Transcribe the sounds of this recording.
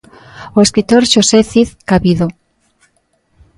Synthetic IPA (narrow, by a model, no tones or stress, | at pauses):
oeskɾit̪oɾʃoseθiθkaβiðo